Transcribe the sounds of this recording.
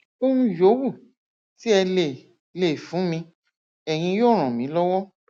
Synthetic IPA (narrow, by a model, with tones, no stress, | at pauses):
o˦nũ˧jo˨˦wu˦˨ | ti˨˦ɛ˧le˨ | le˦˨fũ˨˦mĩ˧ | ɛ˨j̃ĩ˧joː˦˨ɾ̃ã˨mĩ˨˦lɔ˦wɔ˦